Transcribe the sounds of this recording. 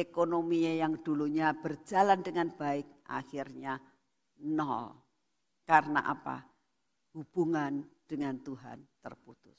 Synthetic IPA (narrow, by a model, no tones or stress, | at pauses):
ekonomiajaŋduluɲab̥ərd͡ʒalandəŋanbaɪk̚ʔa̰xirɲa | nɔ̰l | karna̰ʔa̰pa̰ | hub̥uŋand̥əŋant̪uɦa̰nt̪ərput̪ʊs